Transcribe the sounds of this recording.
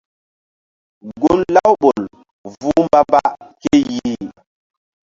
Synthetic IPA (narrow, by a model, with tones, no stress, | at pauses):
ɡo˦lla˦wɓo˨l | vu˦mba˦ba˦ʔke˦ji˦